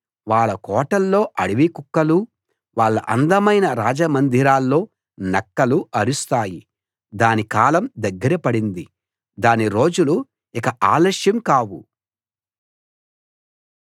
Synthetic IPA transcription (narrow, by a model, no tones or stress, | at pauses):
ʋaːɭːɐkɔːʈɐlːo̞ːʔɐɽiʋikukːɐlu | ʋaːɭːɐʔɐnd̪ɐmɐjnɐɾaːd͡ʒɐmɐnd̪ʱiɾaːlːo̞ː | nɐkːɐluɐɾust̪aːji | d̪aːnikaːlɐmd̪ɐɡːɐɾɐpɐɽind̪i | d̪aːniɾo̞ːd͡ʒulu | ikɐʔaːlɐʂjɐmkaːwu